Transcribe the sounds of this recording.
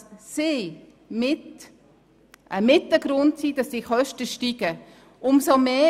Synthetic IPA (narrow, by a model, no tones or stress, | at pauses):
sɪ | mɪt | ʔəmɪtəɡɾʊntsid̥ɑsd̥iːχœʃtəʃtiɡ̥ə | ʊmsomeː